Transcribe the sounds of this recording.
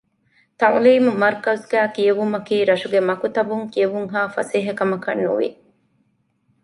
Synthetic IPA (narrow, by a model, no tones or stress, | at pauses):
t̪ɐŋliːmumɐɾkɐzɡæːkijeʋumɐkiːɾɐʃuɡemɐkut̪ɐbuŋkieʋuŋɦaːfɐ̰seːɦɐkɐmɐkɐ̰nːṵʋḭ